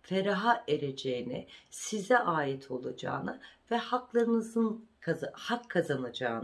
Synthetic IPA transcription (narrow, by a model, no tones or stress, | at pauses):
feɾaɦaʔeɾed͡ʒejinɪsizɛʔaːjit̪ʰo̞lˠad͡ʒa̰ːnɯvɛhaklˠaɾɯnɯzɯnkʰahakʰːazanad͡ʒaːn